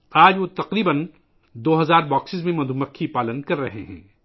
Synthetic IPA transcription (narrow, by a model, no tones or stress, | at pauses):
aːd͡ʒʋot̪ɐqɾiːbən | d̪oːɦɐzaːɾbɔːksɪzmẽmɐd̪ʱumɐkʰːipaːlənkɐɾːɐɦeɦɛ̰̃ː